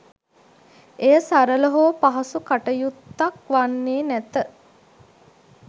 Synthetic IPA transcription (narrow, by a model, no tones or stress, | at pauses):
ejəsaɾələɦoːpaɦɐsukaʈəjut̪ːak̚ʋanːeːnæt̪ə